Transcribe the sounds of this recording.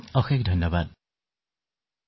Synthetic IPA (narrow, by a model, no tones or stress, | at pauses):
ɔxʰek̚dʱʌjnːɔbad̚